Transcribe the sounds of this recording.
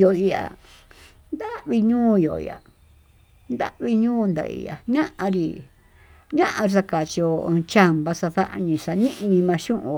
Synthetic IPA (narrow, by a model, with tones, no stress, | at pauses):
jo˨i˧a̰˨ | nd̪a˦ʔβi˧ɲũː˦jo̰˨ḭ˨a̰˨ | nd̪a̰˦ʔβi˧ɲũː˦˧nd̪a̰˨ḭ˨a̰˨ɲã˦ʔã˧ɾi˨ | ɲã˦ʔã˧ɾs̬a˧ka˨t͡ʃi˧õ˧t͡ʃa˦mba˧sa˧ða˦ʔa̰˧ɲĩ˧sa˧nĩ˦ʔi˧ɲĩ˧mã˧ʃũ˦ʔũ˧